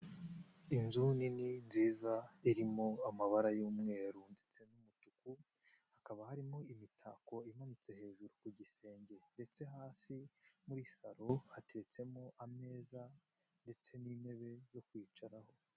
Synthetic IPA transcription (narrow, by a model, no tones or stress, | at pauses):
inzunininziːzaiɾimo̞amaβaɾajuːmŋe̞ːɾunde̞t͡se̞numutuku | hakaβahaɾimo̞imitʰa̰ko̞imanit͡se̞he̞ːʒuɾukuɟise̞ːɲɟe̞nde̞t͡se̞ɦaːsimuɾisaɾo̞hate̞ɾe̞t͡se̞mo̞ʔame̞ːza | nde̞t͡se̞niːne̞βe̞zo̞kwiːt͡ʃaɾaho̞